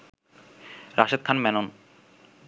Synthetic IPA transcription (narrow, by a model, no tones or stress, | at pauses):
ɾaʃed̪̚kʰanmɛnon